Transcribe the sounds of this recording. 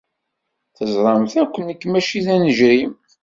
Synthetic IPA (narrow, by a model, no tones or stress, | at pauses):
θəzˤɾˤɑmθækʷːənːəkːmæʃiðænəʒɾim